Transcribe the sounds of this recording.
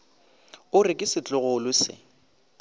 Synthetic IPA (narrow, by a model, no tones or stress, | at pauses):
ʊrɪkʼɪsɪt͡ɬʼʊɣʊlʊsɪ̰